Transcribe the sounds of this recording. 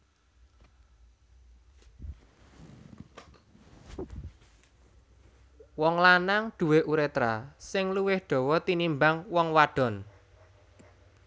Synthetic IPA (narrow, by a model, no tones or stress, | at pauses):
wɔŋlanaŋɖ̪̥ṳweʔuɾet̪ɾasɪŋluwɪhɖ̪̥ɔ̤wɔt̪inimbaŋwɔŋwaɖ̥ɔ̤n